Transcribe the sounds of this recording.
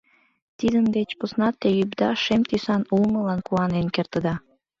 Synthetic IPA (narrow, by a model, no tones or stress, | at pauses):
t̪id̪ənd̪et͡ɕposnɑt̪ːejybd̪ɑʃemt̪ysɑnulməlɑnkuɑnenkert̪ə̆d̪ɑ